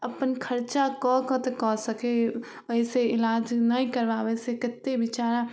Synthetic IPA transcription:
əpənkʰəɾt͡ʃakɔkɔt̪ekɔsəke | əɪseɪlaːd͡ʒnəĩkəɾbaʋesekɪt̪ːebɪt͡ʃaːɾã

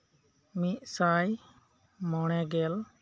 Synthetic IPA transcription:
miʔ̪̚ˀsaj | mɔɽ̃ɛɡɛl

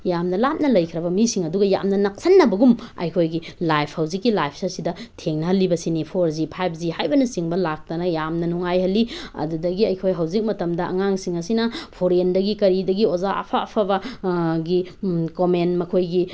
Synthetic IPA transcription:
jamnɐlap̚nɐlɐjkʰiɾɐbɐmisiŋɐduɡɐja̰mnɐnak̚sɐnːɐbɐɡumɐ̰jkʰojɡilajpʰhawzikːilajpʰsɐɾsidɐtʰeŋnɐɦɐlːibɐsinipʰoɾzipʰajp̚ʰzihajbɐnɐsiŋbɐlak̚tɐnɐjamnɐnuŋajhɐlːiɐ̰dudɐɡiɐjkʰojɦɐwzik̚mɐtɐmdɐɐ̰ŋaŋsiŋɐsinɐpʰoɾendɐɡikɐɾidɐɡiozaa̰pʰa̰ːpʰɐbɐɡikomenmɐkʰojɡi

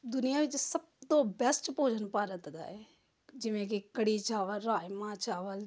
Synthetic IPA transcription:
d̪ʊnijaːʋɪt͡ʃsɐb̚t̪oːbɛst͡ʃpoːd͡ʒʱənpaːɾət̪d̪a̰ːɦe | d͡ʒɪʋẽk̬ikəɽit͡ʃaːʋəlɾaːjmãt͡ʃaːʋəl

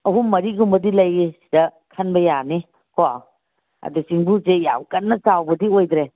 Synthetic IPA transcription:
ɐɦumːɐɾiɡumbɐdilɐjisi̥dɐ | kʰɐnbɐjani | kwa | ɐ̰dusiŋbuseja̰wkɐnːɐt͡ʃawbɐdiojd̪ɾe

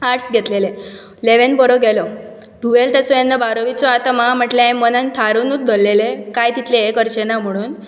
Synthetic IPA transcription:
aʈsɡʱɛt̪lele | leʋenbɔɾɔɡʱɛlɔ | ɖʱuʋelt̪ɛsɔjenːəbaɾɔʋit͡sɔat̪mam̤əʈleẽmːɔnãnt̪ʰaɾunuːt̪̚d̪ʱɔlːelekajt̪it̪leekəɾt͡ɕenam̤əɽ̃uːn

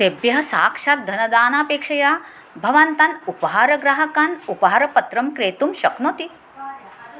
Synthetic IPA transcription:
sebjɐɦɐ̆saːkʂaːt̪̚d̪ʱɐnɐd̪aːnaːpeːkʂɐjaː | bʱɐʋɐnt̪anupɐɦaːɾɐɡɾaːɦɐkaːnupɐɦaːɾɐpɐt̪ɾɐmkɾeːt̪umʃɐknoːt̪i

